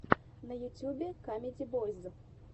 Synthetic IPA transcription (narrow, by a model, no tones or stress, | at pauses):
nɐjut͡sʲubʲɛkamʲed͡zʲibɔzʲd̪ɨ